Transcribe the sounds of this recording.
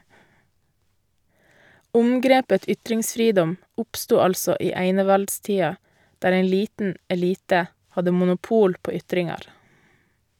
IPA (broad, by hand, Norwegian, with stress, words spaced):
ˈʊmɡɾeːpə ˈʏtɾɪŋsˌfɾiːdɔm ˈʊpstuː ˈɑlsɔ ˈiː ˈæɪnəʋɑltˌstiːɑ ˈdæːɾ ˈæɪ ˈliːtn̩ ɛˈliːtə ˈhɑdə mʊnʊˈpuːl ˈpoː ˈʏtɾɪŋɑɾ